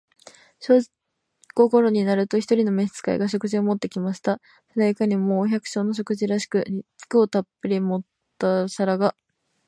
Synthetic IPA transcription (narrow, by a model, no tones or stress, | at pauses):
ɕo̞ː | ko̞ko̞ɾo̞ɲ̟inaɾɯ̟t̪o̞çi̥t̪o̞ɾʲino̞me̞ɕt͡sɨ̥ka̰ḭɡaɕ̬o̞kɯ̟ʑio̞mo̞t̪ːe̞kʲimaɕi̥t̪a | sed̪aikaɲ̟imo̞ːçʲakɯ̟̥ɕo̞ːno̞ɕ̬o̞kɯ̟ʑiɾaɕi̥kɯ̟ɲit͡sɨ̥kɯo̞t̪apːɯ̟ɾʲimo̞t̪ːasaɾaɡa